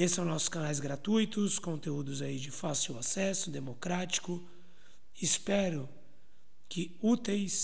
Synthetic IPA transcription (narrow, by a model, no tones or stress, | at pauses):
esɪ̥sɐ̃w̃nɔsʊ̥skɐ̃najzɡɾat̪ujt̪ʊskõnt̪eud̪ʊzaid͡ʒɪfasiwasɛsʊd̪emokɾat͡ʃi̥kʊ | ɪspɛɾʊ | kɪ | ut̪ejs